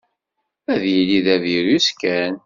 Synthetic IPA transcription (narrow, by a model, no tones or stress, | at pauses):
æðjiliðæðjiɾuskæn